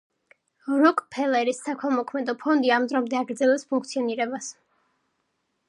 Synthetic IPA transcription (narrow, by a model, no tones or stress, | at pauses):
ɾɔkʼpʰɛlɛɾisːakʰɛlˠmɔkʰmɛd̪ɔpʰɔnd̪iamd̪ɾɔmd̪ɛaɡɾd̪zɛlɛpspʰuŋk̚ʰt̪sʰiɔniɾɛbas